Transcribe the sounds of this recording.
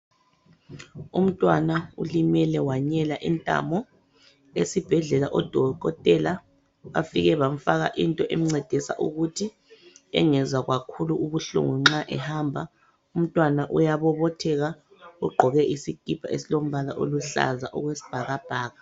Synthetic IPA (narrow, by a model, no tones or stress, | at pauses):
um̩tʼwanaṵlimɛlɛwaɲɛlaʔintʼa̰mɔ | esib̥ʱɛɮɛlaʔɔd̥ʱɔkɔtʼɛla | βa̰fiɣɛβam̩faɣa̰ʔintʼɔʔem̩ŋ͡ǀɛd̥ʱisa̰ʔuɣutʰi | ɛ̰ŋɛzwaɣwakʰuluuβuɬṵŋuŋ͡ǁaʔɛhambʱa | um̩tʼwanaʔujaβɔβɔtʰɛɣa | uɡ͡ǃʱɔɣɛʔisiɡ̥ʱib̥ʱaesilom̩βalaʔoluɬa̰za̰ʔɔ̰ɣwesi̥b̥ʱaɣab̥ʱaːɣa